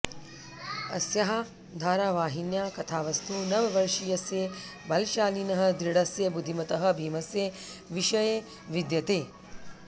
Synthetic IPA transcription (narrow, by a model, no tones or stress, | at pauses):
ɐ̰sjɐɦa | d̪ʱaːɾaːʋaːɦinjaːkɐt̪ʰaːʋɐst̪ʰunɐʋɐʋɐɾʂijɐsje | bɐlʃaːlinɐɦɐ̆d̪ɾiɽɐsjɐbud̪ʱimɐt̪ɐɦɐ̆bʱiːmɐsjeʋiʃɐje | ʋid̪jɐt̪eː